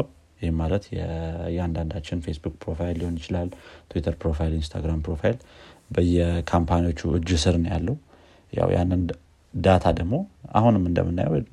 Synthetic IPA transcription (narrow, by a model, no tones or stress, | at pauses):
jɪhemːalət̪jɛjɛand̪and̪at͡ʃːɪnfe̞sbukpɾo̞fajlːiho̞njɪt͡ʃɪlalːt̪ʰuwit̪ʰəɾpɾo̞fajlinst̪ʰa̰ɡɾampɾo̞fajilbəjːɛkʰampʰaniwot͡ʃːuɨd͡ʒːɨsɨɾnəja̰lːəhu | ja̰wjʔa̰nːɨn | d̪at̪ʰad̪əɡmo̞a̰hunɨmɨnd̪ə̰mɨnːajwd̪